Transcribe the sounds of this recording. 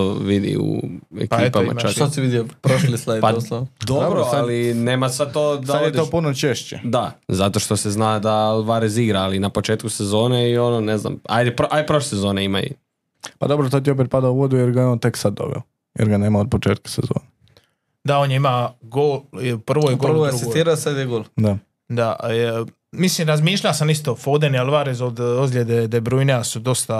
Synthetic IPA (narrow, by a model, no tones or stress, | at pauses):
oʋid̪ḭṵḛkpiːpama̰t͡ʃak̪osiʋid̪jiopɾoʃlislad̪pasod̪oobɾoalineːmasad̪̚t̪oːdsaad̪ed̪opunot͡ʃeʃt͡ɕḛd̪azat̪o̞ʃt̪o̞seznad̪alʋaɾeziɡɾaːlinapot͡ʃeːt̪̚kusezo̞ːneio̞nonezna̰ma̰jd̪ɛpoʔajpɾoʃlesezo̞neima̰ṵ | pa̰d̪o̞bɾot̪ot̪̬jiop̬et̪̚pad̪auʋod̪ujeɾɡajeont̪e̞ksad̪̚ːo̞̰ʋḛo | jḛɾɡaneːmaod̪̚pot͡ʃeːt̪̚kḁsezo̰ːne | d̪aonjeimaɡolpr̩ʋojeɡoʋoauɡist̪iːɾaosad̪jeɡoːlˠd̪a | d̪a | mislimɾazmiːʃʎʲasamist̪ofoːd̪enilˠʋaɾezod̪ozlʎʲed̪ed̪ebɾujneasud̪o̞st̪a